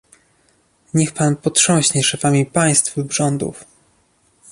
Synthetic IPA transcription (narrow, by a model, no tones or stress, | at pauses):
ɲɛxpanpɔtʂɔ̃w̃ɕɲɛʂɛfamʲipaj̃st̪fbʐɔnd̪ṵf